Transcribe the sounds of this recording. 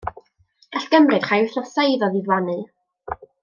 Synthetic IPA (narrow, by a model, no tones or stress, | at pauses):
ɡ̥aɬɡ̥əmrɨd̥χajʊθnɔsejðɔðiðwanɨ